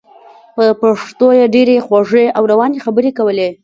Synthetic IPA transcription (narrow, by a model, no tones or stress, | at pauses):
pəpaʂt̪ojeɖeɾexwaʐeʔawɾawɑnexabəɾekawəle